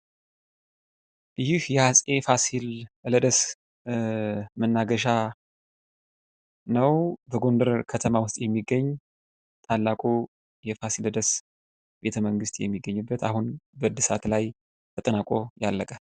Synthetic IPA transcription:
ʔɨjɪhjɛhasʼefasilləd̪əs | mənːaɡəʃa | nəwbəɡo̞nd̪əɾkʰət̪ʰəmawʊst̪ʼjɛmːiɡːəɲː | t̪ʼalːakʼu | jɛfasiləd̪əs | b̥e̞t̪ʰəməŋɡɨst̪ʼjɛ̰mːiɡːəɲːubːət̪a̰hunbəd̪ɨsat̪laj | t̪ʰət̪ʼɨnakʼo̞jalːəkʼə

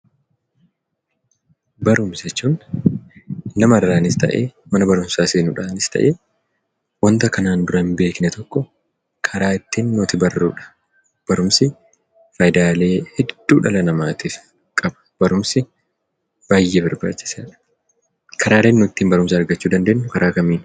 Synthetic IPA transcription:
bɐɾʊmsɛt͡ʃːuːn | nɐmɐɐrːaːnɪst̪ɐ̰ʔḛːmɐnɐbɐɾʊmsaːseːnʊᶑaːnɪst̪ɐ̰ʔeː | wɐnt̪ɐkɐnaːnd̪ʊɾɐbe̞ːknɛt̪ʰɔkːɔ | kʰɐɾaːɪt̪ːiːnːʊt̪ɪbɐrːṵːᶑɐ̥ | b̥ɐɾʊmsɪ | fɐjd̪aːle̞ːhɛd̪̥ːuːᶑɐlɐnɐmaːt̪iːf | kʼɐbɐ̥b̥ɐɾʊmsɪ | b̥aːjːeːbɐɾba̰ːt͡ʃːɪ̥seːᶑɐ̥ | kʰɐɾaːleːnːʊɪt̪ːiːmbɐɾʊmsɐɐɾɡɐt͡ʃːuːd̪ɐnd̪e̞ːnːʊkɐɾʔaːkɐmiːn

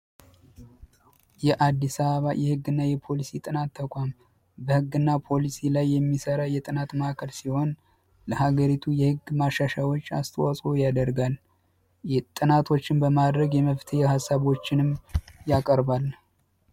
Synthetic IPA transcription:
jɛʔad̪ːisəβəβajɛhɨɡːɨnːajɛpʰo̞lisit̪ʼɨnat̪ʰːəkʷʼam | bəhɨɡːɨnːapʰo̞lisilajːɛmːisəɾajɛt̪ʼɨnat̪maakʰəlsiho̞n | ləhaɡəɾit̪ʰujɛhɨɡmaʃaʃawot͡ʃːa̰st̪ʰəwasʼo̞jad̪əɾɡal | t̪ʼɨnat̪ʰo̞t͡ʃːɪnbəmad̪ɾəɡjɛməft̪ʰeehasːaβo̞t͡ʃːɪnɨmjakʼəɾbal

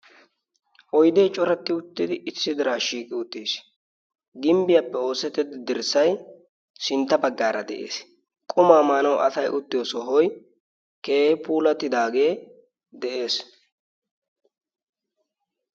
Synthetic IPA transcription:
ʔɔjd̪eːt͡ʃʼɔɾɛt̪ːɪʊt̪ːɪd̪ɪʔɪsɪd̪ɪɾaːʃiːkʼɪʊt̪ːeːs | ɡɪmbɪjɐpːɛo̞ːsɛt̪ːɪd̪ɪd̪ɪɾsɐj | sɪnt̪ːɐbɐɡːaːɾɐd̪ɛʔḛːs | kʼʊmaːmaːnɐwɐ̰sɐjʔʊt̪ːɪjoːsɔɦɔj | ke̞ːhɪpuːlɐt̪ːɪd̪aːɡe̞ː | d̪ɛʔe̞ːs

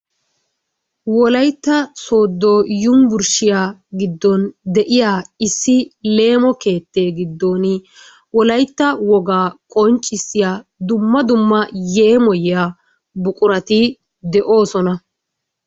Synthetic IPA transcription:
wɔlɐjt̪ːɐsoːd̪ːojʊmbʊɾʃɪjaːɡɪd̪ːɔnd̪ɛʔɪjaːɪsːɪle̞ːmɔke̞ːt̪ːe̞ːɡɪd̪ːoːnɪ | wɔlɐjt̪ːɐwɔɡaːkʼɔnt͡ʃʼːɪsːɪjaːd̪ʊmːɐd̪ʊmːɐje̞ːmɔjɪjaː | bʊkʼʊɾɐt̪ɪ | d̪ɛʔo̞ːsɔnɐ

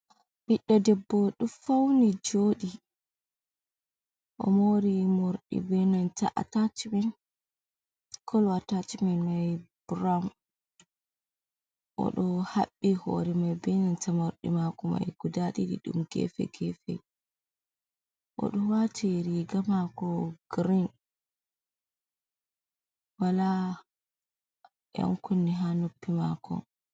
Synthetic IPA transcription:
biɗːɔdɛbːɔɗufawnid͡ʒoːɗi | ʔɔmoɾimoɾɗḭbɛnanta̰ʔa̰tatimɛn | kʰɔlwatatimɛnmajbɾam | ʔɔ̰ɗɔhaɓːihɔ̰ɾɛmajbɛnantamaɾɗimakɔma̰jɡ̥udaɗiɗḭɗṵmɡɛ̰fɛ̰ɡɛfɛ̰ | ʔɔ̰ɗɔwatʰiɾiɡamakɔɡ̥ɾin | wala | ja̰ŋkunːiɦanopːimakɔ̰

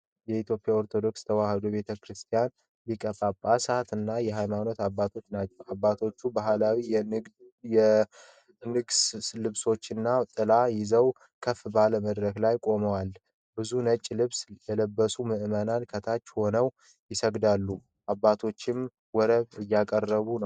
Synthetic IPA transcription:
jɛit̪jo̞pʼjao̞ɾt̪ʰo̞d̪o̞kst̪ʰəwahəd̪obe̞t̪ʰəkʰɾɨst̪ʰijan | likʼəpʼapʼːasat̪ɨnːajɛɦajmano̞t̪abːat̪ʰo̞t͡ʃːnat͡ʃːɛwabːat̪ʰo̞t͡ʃːubaɦlawi | ɛ | nɨɡslɨβso̞t͡ʃːɨnːat̪ʼɨlajɪzəw | kʰəfːbaləməd̪ɾəklajkʼo̞məwal | bɨzunət͡ʃʼːlɨβsjɛləbːəsumɨʔɨmənankʰət̪ʰat͡ʃːho̞nəw | jɪsəɡd̪alːu | ʔabːat̪ʰo̞t͡ʃːɪm | wɔɾəβɨjːakʼərːəβunəw

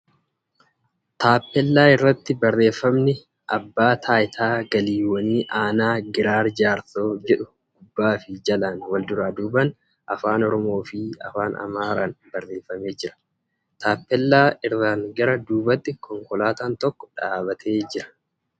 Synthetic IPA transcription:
t̪aːpːɛlːaːɪrːɐt̪ːɪbɐrːe̞ːfːɐmnɪ | ʔɐbːaːt̪ʰaːjɪt̪ʰaːɡɐliːwɐniːʔaːnaːɡɪɾaːɾd͡ʒaːɾso̞ːd͡ʒɛᶑʊ | ɡ̥ʊbːaːfɪd͡ʒɐlanwɐld̪ʊɾaːd̪uːbɐn | ʔɐfaːnɔɾɔmo̞ːfɪɐ̰faːnɐ̰maːɾaːnbɐrːe̞ːfːɐme̞ːd͡ʒɪɾɐ̥ | t̪ʰaːpːɛlːaːɪrːaːŋɡɐɾɐd̪uːbɐt̪ːɪkʰɔŋkɔlaːt̪aːnt̪ɔkːɔ̥ᶑaːbɐt̪ʰe̞ːd͡ʒɪɾɐ̥

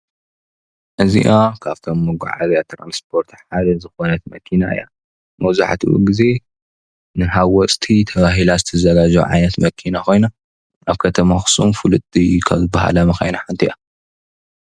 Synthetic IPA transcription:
ʔɨzḭʔakʰaβt̪ʰomːɨɡṵʕa̰zjat̪ʰɾa̰nspʰo̞ɾt̪ʰħad̪ɐzɨxo̞nɐt̪mɐkʰinaɨ̰ja | mɐwza̰ħt̪ʰuʔṵɡize̞ | nɨɦawɔt͡sʼt̪ʰit̪ʰɐβaɦilazɨt̪ʰɐzɐɡad͡ʒṵʕa̰jnɐt̪mɐkʰinako̞jna | ʔaβkʰɐt̪ʰɐmaxɨ̥sumfɨlɨt̪ʼikʰa̰βzɨbːaha̰lɐmɐxa̰jnaħant̪ʰiʔa

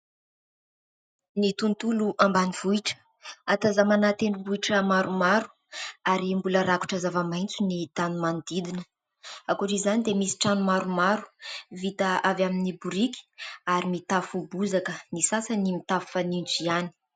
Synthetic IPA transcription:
nit̪unt̪uluʔambaniv̥uiʈ͡ʂə̥ | at̪azamanat̪eɳɖ͡ʐubuiʈ͡ʂəmaɾumaɾu̥ | aɾimbuləɾaku̥ʈ͡ʂazavamajnt͡sunit̪anumand̪id̪inə | akuʈ͡ʂizanid̪emisi̥ʈ͡ʂanumaɾumaɾu̥vit̪aavaminibuɾikʲi̥aɾimit̪afubuzakənisasənimit̪afanint͡siani̥

